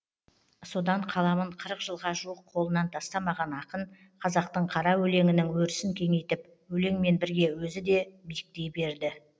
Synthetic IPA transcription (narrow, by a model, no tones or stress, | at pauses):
so̞d̪ɑɴqʰɑlˠɑməɴqʰəɾəqʒ̥əlˠʁɑʒuəqʰːo̞lˠənɑnt̪ʰɑst̪ɑmɑʁɑnɑqən | qʰɑzɑq̚t̪əɴqʰɑɾɑwɵle̞ŋɪnɪŋwɵɾɪsɪŋkʲʰe̞ŋe̞jt̪ɪp | wɵle̞ŋme̞nbɪɾɡʲe̞wɵzɪd̪e̞bijɪk̚t̪e̞jbe̞ɾd̪ɪ